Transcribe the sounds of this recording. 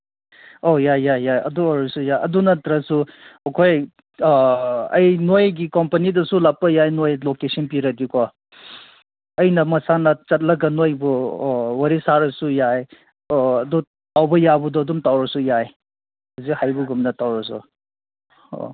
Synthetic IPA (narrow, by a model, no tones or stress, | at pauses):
ojajajajɐ̰duaɾɐsujajʔɐdunɐtɾɐsukʰoj | ɐ̰jnojɡikɔmpɐnidɐsulapːɐjajnojlokesɐnpiɾɐɡikɔ | ɐjnɐmɐsanɐt͡ʃɐt̬̚lɐɡɐnojbuwɐɾisaɾɐsujaj | ɐdu | tawbɐjabudɔɐdumtawɾɐsujaj | hazikhajbuɡumnɐtawɾɐsṵ | o̰